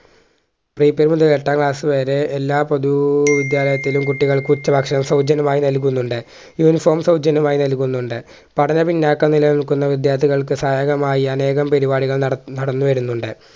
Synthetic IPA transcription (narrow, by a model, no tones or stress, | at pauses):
priːpːeɾmund̪ukeʈːaːŋkɭaːsɨʋeːɾe̞ːlːaːpod̪uʋid̪jaːlɐjɐt̪ːilumkuʈːiɣɐɭkut͡ɕːɐbɐkʂɐmsɐwd͡ʑɐnɐmaːjinɐlk̬ːunːuɳɖɨ | juːnifoːrmsɐwd͡ʑɐnɐmaːjinɐlkːunːuɳɖɨ | pɐʈʰɐɲɐpinːaːkːɐnilɐniɭkunːɐʋid̪jaːt̪ʰiɣɐɭkɨsaːjɐɣɐmaːjiɐne̞ːɣɐmpeɾibaːɽiɣɐɭnɐɽɐnːuʋɐɾunːuɳɖɨ